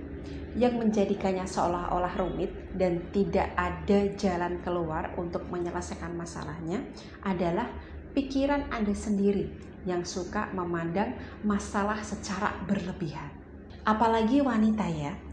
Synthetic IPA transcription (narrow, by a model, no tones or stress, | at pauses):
jaŋməɲd͡ʒadikaɲasəo̰laɦo̰lahrumɪt̪̚dant̪idaʔadad͡ʒalankəluarṵnt̪ʊk̚məɲələsajkanmasa̰lahɲa | ʔadalah | pikiɾanandasəndiɾi | jaŋsuka̰məmandaŋmasalahsət͡ʃaɾa̰bərləbiɦan | ʔapalaɡiwanit̪aja